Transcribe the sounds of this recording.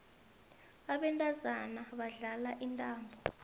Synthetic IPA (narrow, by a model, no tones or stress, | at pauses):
aɓɛntʼazanaɓaɮalaʔintʼaːmbʱɔ